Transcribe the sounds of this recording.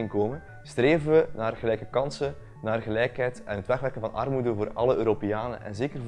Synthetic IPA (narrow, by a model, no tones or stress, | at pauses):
ɪŋkoːmə | streːvənʋənaːrɣəlɛjkəkɑnsə | naːrɣəlɛjkɦɛjtɛnɦətʋɛxʋɛrkənvɑnʔɑ̰rmudəvoːrɑ̰ləøːɾopejaːnə̰ʔɛ̰nzeːkər